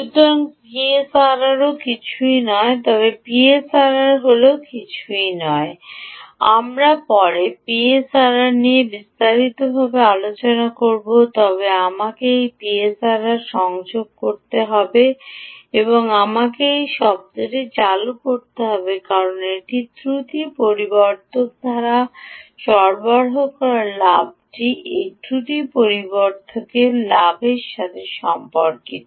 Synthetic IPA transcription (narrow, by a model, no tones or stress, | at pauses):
ʃut̪oɾaŋpiesaɾaɾokit͡ɕʰuinɔet̪ɔβepiesaɾaɾɦolokit͡ɕʰuinɔe | a̰mɾapɔɾepiesaɾaɾniebist̪aɾit̪obʱabealot͡ɕonakoɾbot̪ɔbeamakejpiesaɾaɾʃɔŋd͡ʑoɡ̚koɾt̪eɦɔbe | eβoŋamakejʃɔb̚t̪oɾet͡ɕalukoɾt̪eɦɔbekaɾoneʈit̪ɾut̪ipoɾiboɾt̪ʰok̚d̪ʱaɾaʃɔɾbɔɾɦokɔɾaɾlab̚ʈiʔeʈʰuʈipoɾiboɾt̪ʰokelabʱeɾʃat̪ʰeʃɔmpoɾkit̪o